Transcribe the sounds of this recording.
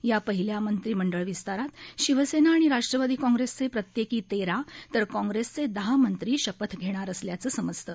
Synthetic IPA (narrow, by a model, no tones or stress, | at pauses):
japəɦiljamənt̪ɾiːməɳɖəɭʋist̪aɾat̪ɕiʋəsenaːɽ̃iɾaʂʈɾəʋad̪iːkɔ̃ŋɡɾest͡sepɾət̪jekiːt̪eɾat̪əɾkɔ̃ŋɡɾest͡sed̪əɦamənt̪ɾiːɕəpət̪ʰɡʱeɽ̃aɾəsljat͡səːsəməd͡zt̪ə